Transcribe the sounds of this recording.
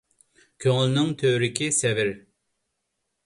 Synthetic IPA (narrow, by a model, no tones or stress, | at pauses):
kʲʰøŋlˠnɪŋt̪ʰøɾɪkʲisɛvɪɾ